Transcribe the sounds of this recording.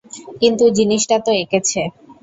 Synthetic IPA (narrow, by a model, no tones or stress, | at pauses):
kint̪ud͡ʑiniʃʈat̪oeket͡ɕʰe